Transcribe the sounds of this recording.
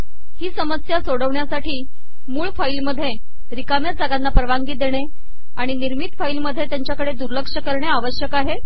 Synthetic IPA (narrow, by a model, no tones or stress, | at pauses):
hiːsəməsjasoɽəʋɳjasaʈiː | muːɭfailməd̪ʱːje | ɾikamjad͡zʱaɡanːapɾəʋaŋɡiːd̪eɽ̃e | aɽ̃iniɾmit̪failməd̪ʱːjet̪jaɲt͡ɕjakəɽed̪uɾləkʂəkəɾɳeaʋəɕjəkaɦe